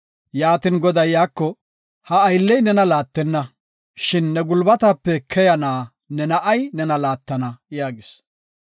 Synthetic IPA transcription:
jaːt̪ɪnɡɔd̪ɐjːaːkːɔ | hɐːjlːɛjnɛnɐlaːt̪ːɛnːɐ | ʃɪnːɛɡʊlbɐt̪ɐpːɛkʰɛjɐnaː | nɛnɐʔɐjnɛnɐlaːt̪ːɐnɐjaːɡɪs

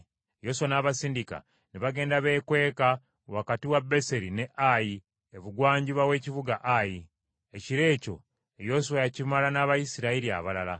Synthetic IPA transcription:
jo̞suwanaːβasiːndika̰ | niβaɡe̞ːndaβe̞ːkwe̞ːka | wakatiwabːe̞se̞ɾine̞ʔaji | eβuɡwaːɲɟiβawe̞ːcivuɡaʔaji | eciɾe̞ːco̞̰ | ejo̞suwajacimalanaːβajisiɾaiɾia̰βalala

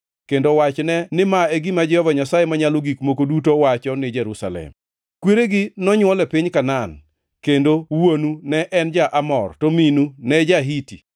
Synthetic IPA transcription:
kendowat͡ʃnɛnɪmaeɡimad͡ʒɛhɔvaɲasajemaɲaloɡikmokodutowat͡ʃɔnɪd͡ʒɛɾusa̰lɛ̰m | kweɾeɡɪnɔɲwɔlɛpɪɲkanan | kendowonunɛʔɛnd͡ʒaʔamɔ̰rtominunɛd͡ʒaɦiti

